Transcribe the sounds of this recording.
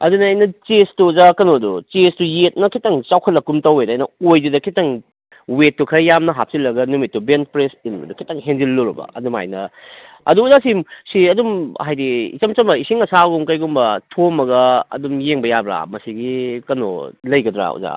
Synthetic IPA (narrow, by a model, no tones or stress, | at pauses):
ɐ̰dunɐajnɐt͡ʃestuzakɐnodut͡ʃestujet̚nɐkʰitɐŋt͡ʃawkʰɐt̚lɐkːumtɐwetajnɐojdudɐkʰitɐŋ | wetːukʰɐjjamnɐɦap̚silːɐɡɐnumitːubent̚pɾesinmɐ̰dukʰitɐŋɦend͡ʒilːuɾɐbɐ̰ɐ̰duma̰jnɐ | ɐ̰duːzasimsiɐdumhajdḭːt͡ʃɐmt͡ʃɐmɐisiŋɐsaɡumkɐjɡumbɐtʰomɐɡɐɐ̰dumjeŋbɐjabɾa̰mɐsiɡikɐno̰lɐjɡɐdɾa̰ṵza̰